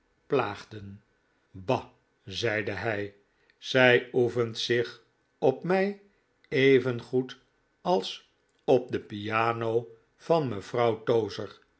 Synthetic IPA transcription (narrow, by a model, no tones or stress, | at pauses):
plaːχdən | bɑ | zɛjdəɦɛj | z̥ɛjufəntsɪχ | ɔpmɛj | ejvənχut | ɑlˠs | ɔp̚d̪əpijaːnow | vɑnməv̥rɑwtowzəɹ